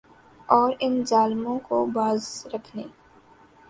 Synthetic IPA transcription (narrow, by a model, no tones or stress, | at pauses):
ɔːɾɪnzaːlmõkobaːzɾɐkʰneː